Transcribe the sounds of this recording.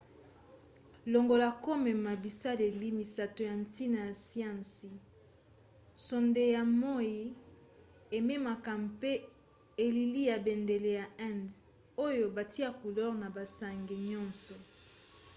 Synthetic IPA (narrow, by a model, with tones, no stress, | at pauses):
lo˨ŋɡo˨la˨ko˦mɛ˨ma˨bi˨sa˦le˨li˦mi˨sa˨to˨ja˨n˦ti˦na˨ja˨si˦ã˦nsi˨ | so˨nde˨ja˨mo˦ji˦ | e˨me˦ma˨ka˨mpe˦ | e˨li˨li˦ja˨be˨nde˨le˨ja˨ɛ̃˦˨nd | o˦jo˨ba˨ti˦a˦˨ku˨lɔ˦ʁna˨ba˨sa˨ŋɡe˨ɲɔ̃˦nsɔ˨